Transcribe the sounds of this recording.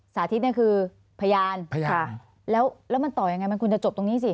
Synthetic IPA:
saː˩˦t̪ʰi˦˥t̪̚ni˥˩kʰɯː˧ | pʰa˧jaː˧nʰ˧j | lɛː˦˥wlɛː˦˥wma˧nt̪ɔː˨˩ja˧ŋːa˧jm˧nkʰu˧nt͡ɕa˨t͡ɕo˨˩p̚t̪o˧ŋniː˦˥si˨˩

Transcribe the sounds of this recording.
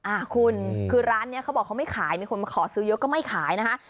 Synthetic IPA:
ʔaː˧˩kʰu˧nkʰɯː˧ɾaː˦˥nːi˦˥ɐkʰa˦˥wbɔː˨˩k̚ʰːa˦˥wma˥˩jkʰaː˩˦jmi˧kʰu˧ma˧kʰɔː˩˦sɯː˦˥jɤ˦˥kɔː˥˩ma˥˩jkʰaː˨˩˦jna˦˥kʰa˦˥

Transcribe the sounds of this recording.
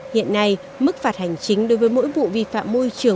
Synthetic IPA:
hḭ˧˨ənːa˧j | mɨ˦˥k̚faː˨˩t̚ha˨˩jŋ̟t͡ɕï˨˦ŋ̟ɗo˨˦jvəː˨˦jmo̰˧˥jɓṵ˧˨vḭ˧˨fa̰ː˧˨mːo˧jt͡ɕɨ˨˩ə

